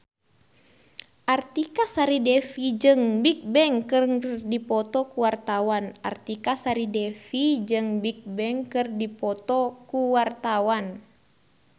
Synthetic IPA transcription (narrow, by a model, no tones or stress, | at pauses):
ʔart̪ikasaɾidɛfid͡ʒɨŋbik̚bɛŋkɨrrdipɔt̪ɔkuwart̪awanart̪ikasaɾidɛfid͡ʒɨŋbik̚bɛŋkɨrdipɔt̪ɔkuwart̪awan